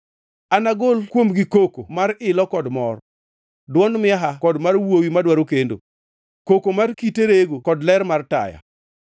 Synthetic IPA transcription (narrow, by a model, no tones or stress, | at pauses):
anaɡolkwomɡikokomaɾɪlɔkɔdmɔr | dwɔnmɪaɦakɔdmarwowimadwaɾokendo̰ | kokomarkiteɾeɡokɔdlɛɾmarta̰ja̰